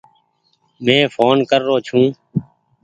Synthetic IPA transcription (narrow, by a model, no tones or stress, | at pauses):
mɛ̃ːfʰoːnkəɾːoːt͡ʃʰũː